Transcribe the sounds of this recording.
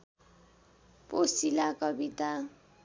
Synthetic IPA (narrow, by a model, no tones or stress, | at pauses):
pʼosilakʼɔbitʼa